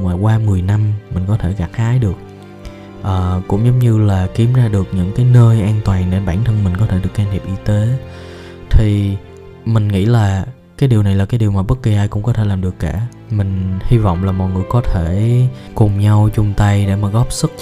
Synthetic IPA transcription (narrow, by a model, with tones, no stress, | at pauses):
maː˨˩kwaː˧mɨ˨˩əjna˧mmï˨˩ŋ̟kɔ˨˦t̪ʰe˧˩ɣa˨˩k̚haː˨˦jɗɨ˨˩ək̚ | ʔəː˨˩kʊ̰˧˥ŋ͡mzə˨˦wŋ͡mɲɨ˧laː˨˩ki˨˦əmzaː˧ɗɨ˨˩ək̚ɲɨ̰˧˥ŋkaː˨˦jnəː˧jʔaː˧nt̪waː˨˩ŋɗe˧˩ɓaː˧˩nt̪ʰə˧nmï˨˩ŋ̟kɔ˨˦t̪ʰe˧˩ɨ˨˩ək̚ːaː˧nʰi˨˩p̚ʔi˧t̪e˨˦ | t̪ʰi˨˩ | mï˨˩ŋ̟ŋḭ˧˥laː˨˩ | kaː˨˦jɗi˨˩əwna˨˩jlaː˨˩kaː˨˦jɗi˨˩əwmaː˨˩ɓə˦˥t̚ki˨˩ʔaː˧jkʊ̰˧˥ŋ͡mkɔ˨˦t̪ʰe˧˩laː˨˩mɗɨ˨˩əkːaː˧˩ | mï˨˩ŋ̟hi˧vɔ̰˧˨wŋ͡mlaː˨˩mɔ̰˨˩jŋɨ˨˩əjkɔ˨˦t̪ʰe˧˩kʊ˨˩ŋ͡mɲa˧wt͡ɕʊ˧ŋ͡mt̪a˧jɗe˧˩maː˨˩ɣɔ˦˥p̚sɨ˦˥k̚